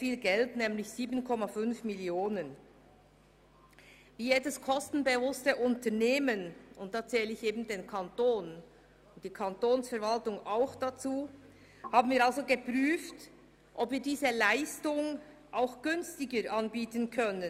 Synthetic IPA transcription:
fiːlɡɛltnɛːmlɪçz̥iːbənkʰɔmafʏnfmɪljoːnən | viːjeːdəskʰɔstn̩bəvʊstəʔʊntəneːmənʊnt̚d̥aːt͡sɛːlɪçeːbn̩deːnkʰantoːn | ʊnt̚d̥iːkʰantoːnsfɛɐvaltʊŋaʊxd̥at͡suː | haːbn̩viːɾalzoɡəpʁyːft | ʔɔpviːɾdiːzəlaɪstʊŋ | ʔaʊxɡ̥ʏnstɪɡəɾʔanbiːtənkʰœnən

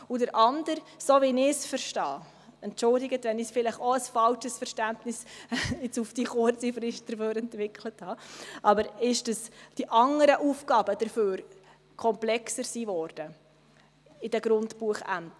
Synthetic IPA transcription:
udəɾʔɑndəɾsoʋɪnɪsfəɾʃtɑ̰ː | ɛntt͡ʃʊldɪɡətʋɛnɪsfɪlɪχoəsfɑlʃəsfəɾʃtæntnɪsɪt͡sufd̥iχʊɾt͡sifɾɪʃt̚d̥əɾføːɾɛntʋɪkʰləthɑːʔɑbəɾɪʃd̥əsd̥iʔɑŋəɾəʔuːfɡɑːbəd̥əɾføːɾ | kʰɔmplɛksəɾsiːvɔɾd̥ə | ɪd̥ɛɡ̥ɾʊntbuəχæ̰nt

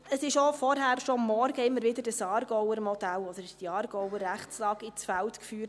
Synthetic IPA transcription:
əsɪʃofɔɾɦæːɾʃomːɔɾɡ̥əɪmːəɾvɪdədəsɑːrɡɔwəɾmɔdælɔd̥̪əɾd̥iɑːrɡ̥ɔwəræχslɑːɡ̥ɪt͡sfæltkfyːɾt

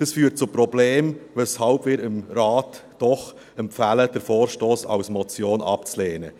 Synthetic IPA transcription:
əsfyːɾt̚t͡sʊpɾɔbleːmvɛshɑlbvɪːɾɪmɾaːtd̥ɔχ | ɛmfæləd̥əɾfoːɾʃtoːsɑ̰ʊsmɔt͡sjoːnɑ̰pt͡sleːnə

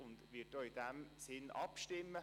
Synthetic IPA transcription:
ʊndʋɪtdoːɪd̥ɛmsɪnɑ̰pʃtɪmːə

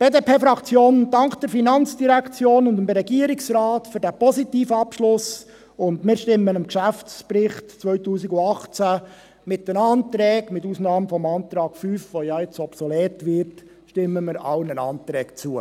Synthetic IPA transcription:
b̥eːdepʰeːfɾɑkt͡sjoːnd̥ɑŋkd̥ɛɾfinɑnt͡sd̥iɾækt͡sjoːnʊndəmdɾɛɡiəɾɪksɾɑːtfʏɾdæpɔsitiːfəɑpʃlʊs | ʊndmɪːɾʃtɪmːənəmkʃæft͡spɾɪχtt͡sʋœɥtuːsiɡʊɑχt͡sæ | mɪt̚dənɑːnt̪ɾɛːkmɪtuːsnɑːmfɔmɑːnt̪ɾɑːkfyːfʋojɑɪt͡sɔpsɔlɛːtʋɪrt | ʃtɪmːəmɪɾɑ̰wnənɑ̰ːnt̪ɾɛːkt͡suə

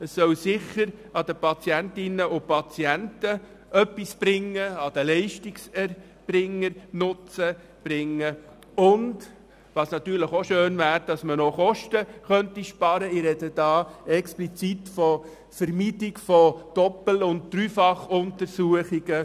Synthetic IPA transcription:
əsːœwsɪχəɾɑd̥̪əpʰɑt͡sjæntɪnəʊpɑt͡siæntə | ʔœpːisb̥ɾɪŋːəɑd̥̪əlɛɪʃtiksɛɾ | b̥ɾɪŋːəɾnʊt͡sə | b̥ɾɪŋːə | ʊnd | ʋɑsnɑt̪yːɾləχoʃøːnvæːɾd̥ɑsmənoχɔʃtəχœntiʃpɑɾəɪɾɛdəd̥ɑːɛksplit͡sitfɔ | fəɾmiːtɪkfɔd̥ɔpl̩ʊnt̚d̪̥ɾyːfɑχʊntəɾsuəχiɡə

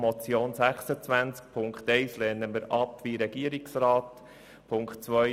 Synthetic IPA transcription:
mɔt͡sjoːnsæχsət͡sʋænt͡sk̚pʰʊŋkχt̪ɛɪslɛːnəməɾɑpʋiɾɛɡ̥iəɾiksɾɑːt̪ | pʰʊŋkχtt͡sʋœ

